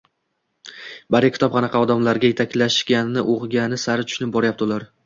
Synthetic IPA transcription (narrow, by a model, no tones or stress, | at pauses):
baɾɪkʲʰt̪ʰɒp̚qʰɑnɑqʰɑɒd̪amlaɾɡʲaje̞t̪ʰakʲlaʃkʲanːɪʔoʁɡʲanɪsaɾɪt̪ʰʊ̥ʃnɪp̚bɒɾajap̚t̪ɪlaɾ